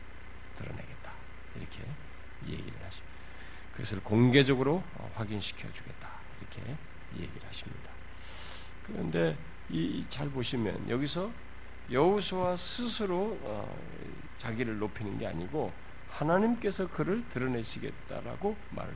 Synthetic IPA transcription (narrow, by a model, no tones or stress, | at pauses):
tɯɾʌ̰ne̞ɡe̞t̚t͈ḁ | iɾʌkʰe̞̰ | ije̞̰ɡḭɾɯ̰ɭhaɕʰi | kɯɡʌsʰɯɭkoŋɡe̞d͡ʑʌɡɯɾo | ʌ̰ɸwaɡinɕʰi̥kʰjʌd͡ʑuɡe̞t̚t͈ḁ | iɾʌkʰḛ | ḭe̞̰ɡiɾɯɭhaɕʰimɲida | kɯɾʌ̰nde̞ | it͡ɕaɭboɕʰimjʌ̰njʌɡisʰʌ | jʌusʰuwasʰɯsʰɯɾoʌ̰ | t͡ɕaɡiɾɯɭnopʰinɯnɡe̞a̰ɲiɡo | hanaɲimk͈e̞sʰʌkɯɾɯɭtɯɾʌne̞ɕʰiɡe̞̰t̚t͈a̰ɾa̰ɡo | ma̰ɾa